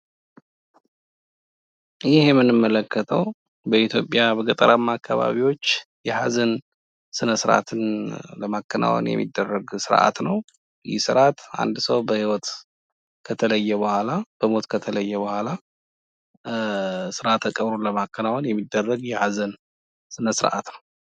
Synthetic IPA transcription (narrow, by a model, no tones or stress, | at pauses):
jɪhɛmːɨnɨmːələkːət̪ʰəw | bəit̪ʰjo̞pʼːjabəɡət̪ʼəɾʔamːakʰːaβa̰βiwo̞t͡ʃːjɛhazən | sɨnəsɨɾʔa̰t̪ʰɨnləmakːənʔa̰wə̰njɛ̰mːḭd̪ːərːəɡsɨɾʔa̰t̪nəw | jɪsɨɾʔat̪a̰nd̪səwbəhiwɔt̪ | kʰət̪ʰələjːɛβəhʷalab̥əmo̞t̪kʰət̪ʰələjːɛβəhʷala | sɨɾʔat̪ːakʼəβɾoləmakːənawonjɛmːid̪ːərːəɡjɛhazən | sɨnəsɨɾʔa̰t̪nəw